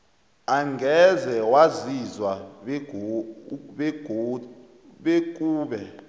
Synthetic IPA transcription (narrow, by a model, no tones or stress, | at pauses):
aŋɡʱɛzɛwazizwa | ɓe̥ | ɓek̬ʼuːɓɛ